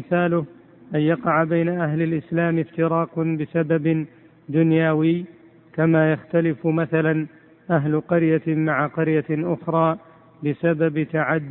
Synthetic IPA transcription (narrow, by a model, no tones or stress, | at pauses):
ɪθaːlʊh | ʔanjɑqɑʕabajnaʔaɦlalʔɪslaːmɪft̪ɪɾɑːqbɪsabab | d̪ʊnjaːwɪː | kamaːjaxt̪alɪfmaθalan | ʔaɦlʊqɑɾjamaʕaqɑɾjaʔʊxɾˤɑː | bɪsababt̪aʕad̪ː